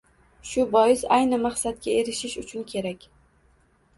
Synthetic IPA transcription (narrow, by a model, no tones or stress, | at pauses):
ʃʊbɒjɪsajnɪmaχsat̪̚kʲae̞ɾɪʃɪʃʊt͡ʃʰʊnkʲʰe̞ɾakʲ